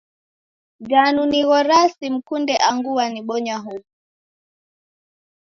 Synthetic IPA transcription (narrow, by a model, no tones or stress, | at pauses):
d͡ʒanuniɣɔɾasim̩kundɛʔaŋɡuwaniɓɔɲaɦu